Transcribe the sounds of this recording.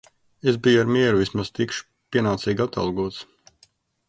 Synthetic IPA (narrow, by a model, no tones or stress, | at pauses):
ezbijaɾmiɛɾuvismaz̥t̪ikʃu̥ | pʲiɛnaːt̪siːɡat̪a̰lˠɡuɔt̪s